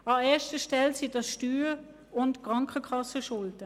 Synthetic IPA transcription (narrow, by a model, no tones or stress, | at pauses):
ɑɛːɐʃtəʃtɛlsidɑsʃtyː | ʊntkʁɑŋkəkʰɑsəʃʊldə